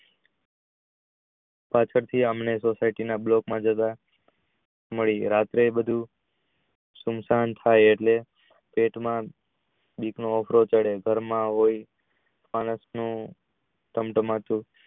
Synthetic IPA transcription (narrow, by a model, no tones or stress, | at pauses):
pat͡ʃʰəɾt̪ʰiəmnesosaiʈinablokmãd͡ʒət̪a | məɭiɾat̪ɾebəd̪ʱũ | sumsant̪ʰajeʈle | peʈmã | biknoɔfʰɾot͡ʃəɽeɡʱəɾmãɦoi | añəsnũ | ʈ̪əmʈəmãt̪ũ